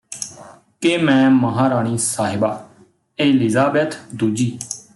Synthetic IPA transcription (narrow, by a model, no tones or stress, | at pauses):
kemɛ̃ːməɦãːɾaːɳ̃iːsaːɦɪbaː | eːlɪzaːbeːt̪d̪uːd͡ʒiː